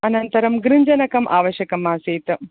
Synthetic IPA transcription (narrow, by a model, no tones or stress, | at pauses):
ɐnɐnt̪ɐɾɐmɡɾiɲd͡ʒɐnɐkɐmʔa̰ːʋɐʃjɐkɐmaːseːt̪ɐ